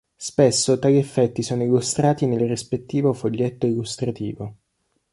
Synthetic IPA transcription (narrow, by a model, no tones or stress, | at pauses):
spesːot̪aːʎiefːɛt̪ːisoːnoilust̪ɾaːt̪inelrispet̪ːiːvofoʎːet̪ːoilust̪ɾat̪ḭːvo